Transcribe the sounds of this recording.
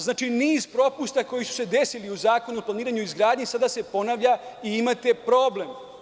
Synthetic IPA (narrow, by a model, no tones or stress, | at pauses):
znaːt͡ʃiniːzpɾo̞pust̪ako̞jisu̥se̞d̪e̞siliuzaːko̞nuoplaniːɾaɲuizɡɾaːd̪ɲisad̪ase̞po̞naʋʎaiimat̪e̞pɾo̞ːble̞m